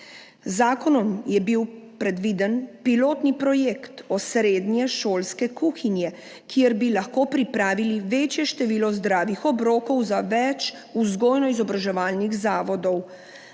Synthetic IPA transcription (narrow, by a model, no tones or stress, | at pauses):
zaːkɔnɔmjɛbiwpɾɛd̪ʋiːd̪ənpiloːt̪nipɾɔjekt̪ɔsɾeːd̪njɛʃoːlskɛkuxinjɛ | kiɛɾbilaxkoːpɾipɾaːʋiliʋeːt͡ʃjɛʃt̪ɛʋiːlɔzd̪ɾaːʋixɔbɾoːkɔwzaʋɛt͡ʃ | uzɡoːjnɔizɔbɾaʒɛʋaːlniɣzaːʋɔd̪ɔw